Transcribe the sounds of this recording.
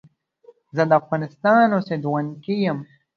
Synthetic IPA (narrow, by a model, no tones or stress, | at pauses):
zəd̪əafɣɑːnɪst̪ɑːnosed̪uwankijəm